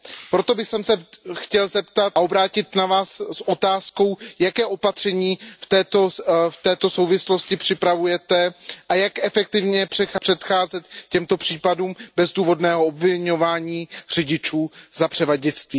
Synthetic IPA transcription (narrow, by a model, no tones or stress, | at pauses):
pɾot̪o̞bɪxsɛmsɛxcɛlzɛpt̪at̪ao̞bɾaːcɪt̪navaːsːʔo̞t̪aːsko̞wjakɛːʔo̞pat̪r̥ɛɲiːft̪ɛːt̪oft̪ɛːt̪o̞so̞wvɪslo̞scɪpr̝̥ɪpɾavujɛt̪ɛʔajakʔɛfɛk̚t̪ɪvɲɛpr̥ɛpr̥ɛt̪xaːzɛt̪cɛmt̪o̞pr̥iːpaduːmbɛzduːvo̞dnɛːɦoobvɪɲo̞vaːɲiːr̝ɪɟɪt͡ʃuːzapr̥ɛvaɟɪt͡st̪viː